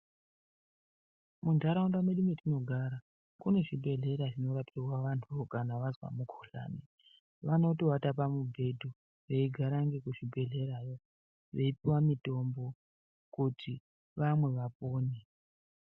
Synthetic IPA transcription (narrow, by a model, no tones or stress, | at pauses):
mundʱaɾaundameɗumetino̞ɡʱaɾa | kune̞ʐibʱe̞ɮe̞ɾaʐino̞ɾatirwaʋantʰuokanaʋazwa̰mukʰoɬa̰ːne | ʋano̞towatap̬amubʱe̞dʱu | ʋe̞iɡʱaɾaŋɡe̞kuʐibʱe̞ɮe̞ɾajo̞ | ʋe̞ipiwamito̞mbo̞ | kutʰi | ʋamwe̞ʋapoːne